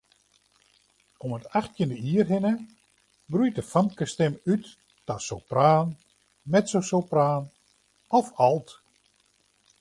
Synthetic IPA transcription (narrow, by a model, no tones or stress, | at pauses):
ɔmətaxtjəndəiərɦɪnə | brujtəfamkəstɛmytː | asowpraːn | mɛtsowsowpraːn | ɔfɔlˠt